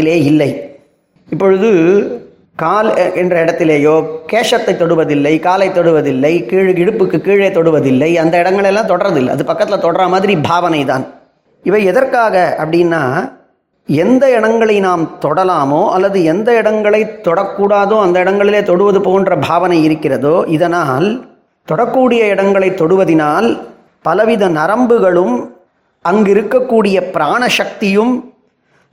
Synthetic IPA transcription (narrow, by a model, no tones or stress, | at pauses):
ɪleːɪlːɐɪ | ɪpːɔɻɯðɯ | kaːlɛndrɐɪɽɐt̪ːɪleːjoːkeːʂɐt̪ːɐɪt̪ːɔɽɯʋɐðɪlːɐɪkaːlɐɪt̪ːɔɽɯʋɐðɪlːɐɪkiːɻɡɪɽɯpːɯkːɯkːiːɻeɪt̪ːɔɽɯʋɐðɪlːɐɪɐnd̪ɐɪɽɐŋɡɐɭɐlːãːt̪ɔɽɐɾɐðɪlːɐ̰ɐ̰ðɯpɐkːɐt̪ːɪlɐt̪ɔɽɐɾamaːðɪɾibʱaːʋɐnɐɪt̪a̰ːn | ɪʋɐɪɛðɐrkaːɣɐɐpːɐɽɪnːaː | ɛnd̪ɐɪɽɐŋɡɐɭɐɪnaːmt̪ɔɽɐlaːmoːʔɐlːɐðɯɛnd̪ɐɪɽɐŋɡɐɭɐɪt̪ːɔɽɐkːuːɽaːðõːɐnd̪ɐɪɽɐŋɡɐɭɪleːt̪ɔɽɯʋɐðɯpoːndrɐbʱaːʋɐnɐɪɪɾɯkːɪrɐðoːʔɪðɐnaːl | t̪ɔɽɐkːuːɽɪjɐɪɽɐŋɡɐɭɐɪt̪ːɔɽɯʋɐðɪnaːl | pɐlɐʋɪðɐnɐɾɐmbɯɣɐɭɯm | ɐŋɡɪɾɯkːɐkːuːɽɪjɐpɪɾaːɳɐʂɐk̚t̪ɪjɯm